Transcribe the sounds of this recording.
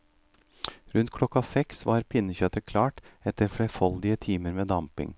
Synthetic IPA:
ɾʉnt̪̚kʰlɔkɑsɛksʋɑːɾpʰɪnːəçœt̪əkʰlɑːʈɛt̪əɾfɽɛfɔld̪ɪət̪ʰiːməɾmeːd̪ɑmpɪ̰ŋ

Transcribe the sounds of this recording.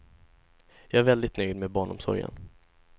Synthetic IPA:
jɑːæɾvɛld̪ɪt̪nœjd̪mɛbɑːɳɔ̰msɔ̰ɾjə̰n

